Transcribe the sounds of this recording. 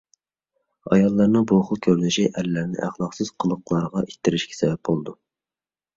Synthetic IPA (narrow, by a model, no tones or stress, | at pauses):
ɑ̰jɑlˠːɑɾnɨŋboχʊlˠkʲʰøwlɪʃiʔɛlːæɾnɪ̰ʔæχlˠɑqsɨz̥qʰəlˠʊqlˠɑɾʁɑʔit̪ːɪɾɪʃkʲʰɛ̥sɛbɛp̚bolˠd̪u